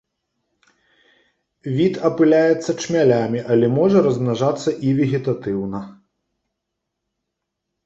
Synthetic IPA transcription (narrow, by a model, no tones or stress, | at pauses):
vʲit̪ɐpɨlʲajɛt̪sːɐt͡ʂmʲalʲamʲiʔɐlʲɛmɔʐɐɾɐzmnaʐat̪sːɐʔivʲɛɣʲit̪at̪ɨwnɐ